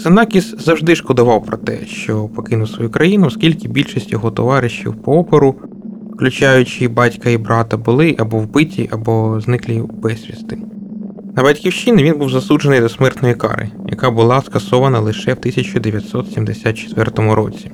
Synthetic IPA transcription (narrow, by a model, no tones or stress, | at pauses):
sɐnɑkʲiszɐwʒd̪ɪʃkɔd̪ʊʋɑwpɾɔt̪ɛ̰ʃt͡ʃɔpɔkɪnʊwsʋɔjukɾɐjinʊɔskʲilʲkɪbʲilʲʃisʲtʲjɔɦɔt̪ɔʋɑɾɪʃjḭwpɔɔpeɾʊ | fklʲʊt͡ʃɑjʊt͡ʃɪbɑtʲkɐibɾɑt̪ɐbʊlˠɪʔɐbɔwbɪtʲʰiʔɐbɔznɪklʲˠɪb̥ɛsʲʋʲḭst̪ɪ | nɐbɐtʲkʲiwʃinɪʋʲinbuwzɐsudd͡ʒenɪjd̪ɔsmɛrt̪nɔjikɑ̰ɾɪ̰jɐ̰kɑbʊlˠɑskɐsɔʋɐnɐlˠɪʃɛwt̪ɪsʲɐt͡ʃʊd̪eʋʲjɐt̪ʲsɔt̪sʲimd̪esʲat̪t͡ʃe̥t̪ʋɛrt̪ɔmʊɾɔ̰t͡sʲi